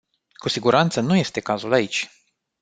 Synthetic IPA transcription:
kusiɡuɾant̪sənuje̞st̪e̞kazulait͡ʃʲ

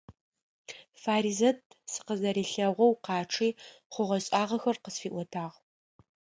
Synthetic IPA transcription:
faːɾiːzɐtʰsɨ̥qəzɐɾiːɬɐʁʷɔwqɑːʈ͡ʂʰiːχʷʊʁɐɕʼaːʁɐxɐrqəsfiːʔʷɔtʰaːʁ

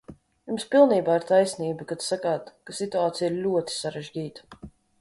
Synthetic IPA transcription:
jumspilˠniːbaːiɾt̪ajsniːbɨkat̪sakaːt̪kasit̪uaːt̪sʲijiɾlʲuɔt̪i̥saɾɛʒɟʲiːt̪ḁ

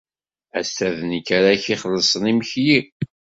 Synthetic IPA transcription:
æst̪æðənəkːaɾaçiχlːəsˤənimçji

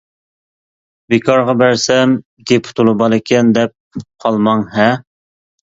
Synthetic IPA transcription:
bekʰɑɾʁɑbæɾsɛm | ɡʲepʰʊ̥t̪ʰulˠubɑlˠɪkʲʰɛnd̪ɛp̚qʰɑlˠmɑŋɦɛ

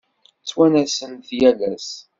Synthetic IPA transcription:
t͡sːwænæsənθjæðæs

